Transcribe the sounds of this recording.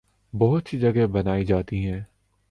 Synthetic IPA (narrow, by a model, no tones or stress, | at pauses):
bɔːʊt̪ʃid͡ʒəɡɛbənaːid͡ʒaːt̪iɦɛ̃ː